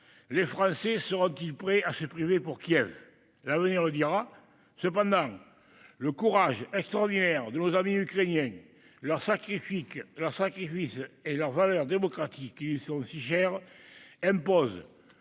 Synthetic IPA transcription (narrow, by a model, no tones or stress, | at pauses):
lefχɑ̃sesəʁɔ̃t̪ilpχɛʔasəpχivepuʁkjɛv | lavəniʁləd̪iʁa | səp̬ɑ̃nd̪ɑ̃ŋ | ləkuʁaʒɛkst̪ʁɔʁd̪inɛʁd̪ənozamiykχenjɛ̃ŋ | lœʁsakχifiklœʁsakχifiselœʁvalœʁd̪emokχat̪ikːilisɔ̃siʃɛʁɛ̃mpɔzə